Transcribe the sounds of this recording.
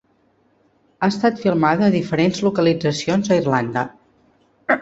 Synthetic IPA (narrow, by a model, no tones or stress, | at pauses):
aəst̪at̪filˠmaðəːðifəɾenzlukəlid͡zəsionzəirland̪ə